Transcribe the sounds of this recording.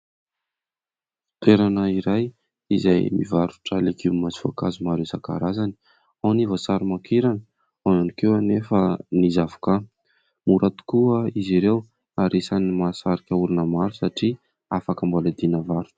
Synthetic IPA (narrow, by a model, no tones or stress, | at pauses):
t̪eɾanəiɾaj | izajmḭvaɾu̥ʈ͡ʂalekʰiwmazi̥fa̰kazumaɾewsaka̰ɾazani̥ | awnivasaɾumakiɾanə | awanikewanefənizavu̥ka | muɾat̪u̥kuəiziɾew | aɾesanimasaɾikʲauɾunəmaɾusaʈ͡ʂi | afakəmbolad̪inəvaɾu̥